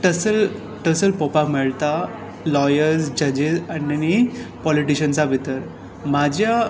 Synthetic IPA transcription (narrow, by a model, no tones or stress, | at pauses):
ʈəsəl | ʈəsəlpɔpakmɛɭt̪a | lɔjəɾzd͡ʑəd͡ʑizaninəñipɔliʈiɕənsabʱit̪əɾ | mad͡ʑʱja